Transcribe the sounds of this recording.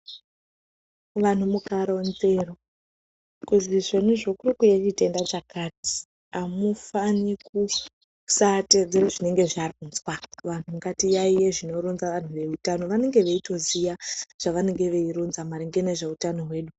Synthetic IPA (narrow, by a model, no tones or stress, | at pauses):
ʋan̤umukaɾanzero | kuziʐenuʐokurikujet͡ʃite̞ndat͡ʃakaːti̥ | amufaniku | sate̞d͡ze̞ɾoʐine̞ŋɡe̞ʐarunzwaʋan̤umukatijaijeʐino̞ɾunzaʋan̤uʋe̞utano̞ʋane̞ŋɡe̞ʋe̞ito̞zijaʐ̥aʋane̞ŋɡe̞ʋe̞iɾunzamaɾeŋɡene̞ʐe̞utano̞ɦwe̞ːɗu